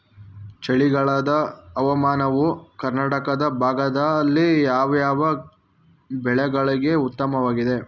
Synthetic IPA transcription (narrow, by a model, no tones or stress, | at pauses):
t͡ʃɐɭiɡɐɭɐd̪ɐːʋɐmaːnɐʋukɐɾnaːʈɐkɐd̪ɐbʱaːɡɐd̪ɐlːijaːʋɐjaːʋɐ | bɛɭɛɡɐɭiɡe̞ut̪ːɐmɐʋaːɡid̪e̞